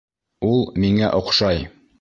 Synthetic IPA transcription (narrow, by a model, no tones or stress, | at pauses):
ulˠmiŋæʔŏqʃɑj